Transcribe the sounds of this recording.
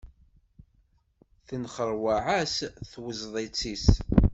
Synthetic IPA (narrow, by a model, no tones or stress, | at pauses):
θənχəɾˤwaʕæsθwəzðˤet͡sːis